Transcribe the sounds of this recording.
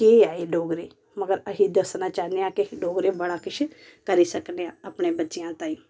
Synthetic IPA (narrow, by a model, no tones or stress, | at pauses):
keːaːeːɖoːɡɾeː | məɡəɾəɦiːd̪əsnaːt͡ʃaːneãːkɪiɖoːɡɾeːbəɽaːkɪt͡ʃʰ | kəɾiːsəkneãːəpɳeːbətːʃɪjãːt̪aːĩ